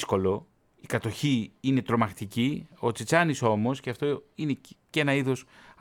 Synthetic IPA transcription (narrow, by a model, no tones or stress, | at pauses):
sko̞lo̞ | ikɐt̪o̞çiine̞t̪ɾo̞mɐxt̪icio̞t͡sit͡sɐniso̞mo̞sceɐft̪o̞ine̞ce̞nɐiðo̞s